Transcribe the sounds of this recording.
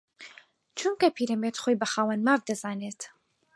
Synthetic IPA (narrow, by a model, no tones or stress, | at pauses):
t͡ʃʰuŋkɐpʰiːɾɐmet̪χoːjbɐxaːwɐnmaːvd̪ɐzaːneːt̪